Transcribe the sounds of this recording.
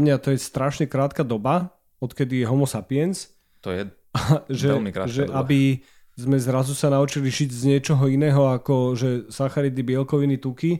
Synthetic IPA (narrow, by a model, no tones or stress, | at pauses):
mɲat̪ɔjɛst̪ɾaʃɲɛkɾaːt̪kaːd̪ɔba | ɔt̪kɛd̪ijɛɦɔmɔsapiɛns | t̪ɔjɛ | aʒɛɛlmikɾa̰ʒɛʔabi | zmɛzɾazusanaut͡ʃiliʒiɟzɲɪɛt͡ʃɔɦɔinɛːɦɔakɔʒɛsaxaɾid̪ibɪɛlkɔʋinit̪uki